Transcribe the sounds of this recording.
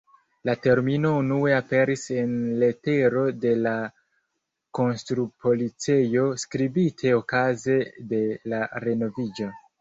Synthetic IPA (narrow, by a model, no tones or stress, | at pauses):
late̞ɾmino̞unue̞ape̞ɾise̞nle̞te̞ɾo̞de̞la | ko̞nstɾupʰo̞lit͡sejo̞skɾibitʰe̞o̞kaze̞de̞laɾe̞no̞vid͡ʒo̞